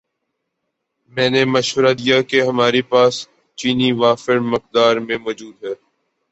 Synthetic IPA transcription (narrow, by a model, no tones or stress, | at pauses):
mɛ̃ːnemɐʃʋəɾad̪ijakeɦɐmaːɾepaːs | t͡ʃiːniʋaːfɪɾmɐq̚d̪aːɾmẽmɔːd͡ʒuːd̪ɦɛː